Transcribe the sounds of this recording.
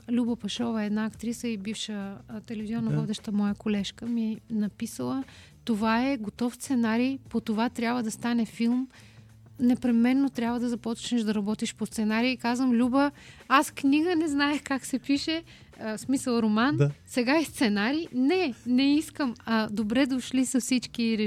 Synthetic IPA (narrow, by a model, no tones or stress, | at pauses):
lʲubəpɐʃɔvəɛd̪naːkt̪ɾisəibifʃət̪ɛlɛviziɔnːɐvɔd̪ɛʃt̪əmɔjəkolɛʃkəmiɛnɐpisəlˠə | t̪ovaɛɡot̪ɔfst̪sɛnaɾipot̪ovat̪ɾʲabvəd̪ɐst̪anɛfilˠm | nɛpɾɛmɛnːot̪ɾʲjabvəd̪ɐzɐpɔt͡ʃnɛʒd̪ɐɾɐbɔt̪iʃpost̪sɛnaɾiːkazvəmlʲubəaskniɡənɛznaɛxkaksɛpiʃɛ | smisəlˠɾomansɛɡaist̪sɛnaɾinɛnɛiskəmɐd̪obɾɛd̪oʃlisɐfsit͡ʃkiɾɛ